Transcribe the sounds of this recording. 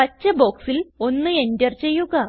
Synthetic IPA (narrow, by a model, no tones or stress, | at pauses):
ɐt͡ɕːɐbo̞ːksilo̞nːɨe̞ndɐrt͡ɕe̞jːuɣɐ